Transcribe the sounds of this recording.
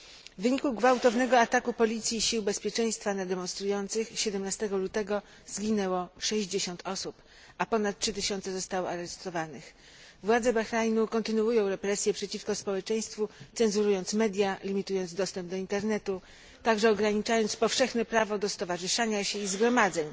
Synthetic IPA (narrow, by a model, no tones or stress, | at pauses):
vɘɲikuɡvawt̪ɔvnɛɡɔat̪akupɔlʲit̪sʲjiɕiwbɛspʲjɛt͡ʂɛj̃st̪fanad̪ɛmɔnst̪ɾujɔnt̪sɘxɕɛd̪ɛmnast̪ɛɡɔlut̪ɛɡɔ | zɡʲinɛwɔʂɛʑd͡ʑeɕɔnt̪ʰɔsup | ʔapɔnat̪̚tʂɘt̪ɘɕɔnt̪sɛzɔst̪awɔaɾɛst̪ɔvanɘx | vwad̪zɛbaxɾajnukɔnt̪ɘnuujɔ̃w̃ɾɛpɾɛsʲjɛpʂɛt͡ɕifkɔspɔwɛt͡ʂɛj̃st̪fut̪sɛnzuɾujɔnt̪smɛd̪ʲjalʲimʲit̪ujɔnd̪zd̪ɔst̪ɛmb̚d̪ɔint̪ɛɾnɛt̪u | t̪aɡʐɛɔɡɾaɲit͡ʂajɔnt̪spɔfʂɛxnɛpɾavɔd̪ɔst̪ɔvaʐɘʂaɲaɕɛizɡɾɔmad̪zɛɲ